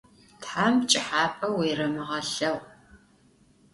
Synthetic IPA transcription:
tħamt͡ʃʼɪħaːpʼɐweːrɐmɨʁɐɬɐw

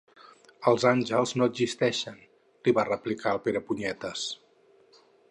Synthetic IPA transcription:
əlˠzanʲʒəlˠznoədzist̪ɛʃən | liβarəplikʰaəlˠpeɾəpuɲɛt̪əs

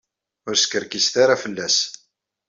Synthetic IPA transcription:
ʊɾskəɾkisθaɾafəlːæs

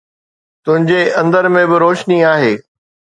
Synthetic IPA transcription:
t̪ʊ̃ɦɪ̃ɲd͡ʑeʔɐ̃nd̪əɾmẽbɪɾoːʃniaːɦeː

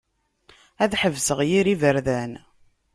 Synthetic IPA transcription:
æðħəvsəʁjiɾivəɾðæn

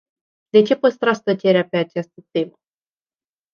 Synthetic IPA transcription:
d̪e̞t͡ʃe̞pəst̪ɾast̪ət͡ʃe̞ɾeape̞at͡ʃast̪ət̪e̞mə

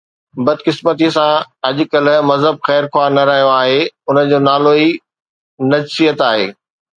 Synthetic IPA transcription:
bɐd̪kɪsmət̪̬isãɐʄʊkɐl̆mɐzɦəb̚xɛːɾkʰwaːɾnɐɾaɦijoaːɦeʊnə̆d͡ʑoːnaːloi | nɐd͡ʑsijət̪aːɦeː

